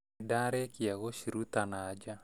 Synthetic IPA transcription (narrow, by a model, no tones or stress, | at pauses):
daɾɛkiaɣoʃiɾut̪anad͡ʒa